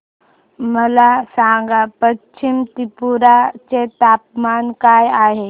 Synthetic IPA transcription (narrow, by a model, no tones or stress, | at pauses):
məlasãːŋɡapət͡ʃt͡ʃʰimt̪ipuɾat͡ʃet̪aːp̚maːnkaːjaːɦe